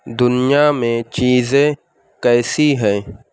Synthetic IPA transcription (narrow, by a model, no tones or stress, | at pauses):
d̪ʊnɪjamẽt͡ʃiːzẽ | kɛːsiɦɛ̃ː